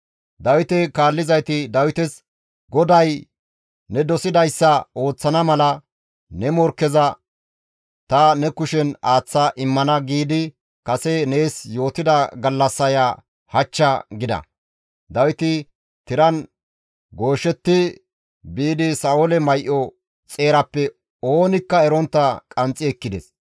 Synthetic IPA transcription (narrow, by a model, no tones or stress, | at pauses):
d̪ɐwɪt̪ɛkaːlːɪzɐjt̪ɪd̪ɐwɪt̪ɛs | ɡɔd̪ɐjː | ɛd̪ɔsɪd̪ɐjsːɐo̞ːt͡sːɐnɐmɐlɐ | nɛmɔɾkːɛzɐ | t̪ɐnɛkʊʃɛnaːt͡sːɐʔɪmːɐnɐɡiːd̪ɪ | kɐsɛne̞ːsjo̞ːt̪ɪd̪ɐɡɐlːɐsːɐja | hɐt͡ʃːɐɡɪd̪ɐ̰ | d̪ɐwɪt̪ɪ | t̪ɪɾɐn | ɡo̞ːʃɛt̪ːɪ | biːd̪ɪsɐolɛmɐjʔɔ | t͡sʼe̞ːɾɐpːɛ | oːnɪkːɐɛɾɔnt̪ːɐkʼɐnt͡sʼːɪɛkːɪd̪ɛs